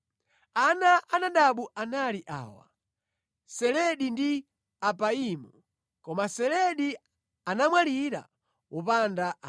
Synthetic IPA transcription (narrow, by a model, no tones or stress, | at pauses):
anaʔanaɗaɓuʔanaliʔa̰ːwa̰ | sɛlɛɗindi | apaimɔ | kɔmasɛlɛɗi | anamwaliɾa̰ | wʔɔpandaʔ